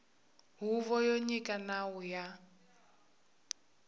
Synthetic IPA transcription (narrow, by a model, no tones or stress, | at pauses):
ɦuvɔjoɲikʼanawuja